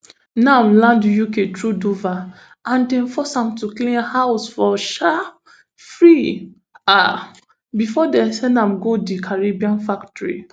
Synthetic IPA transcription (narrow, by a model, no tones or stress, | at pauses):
namlãndjuketʰɹuduva | ãndɛ̃fɔsãmtuklĩnhawʊsfɔʃa | fɹi | a | bifɔdɛ̃sɛ̃nãmɡodikʰaɹebiãnfaktɔɹḭ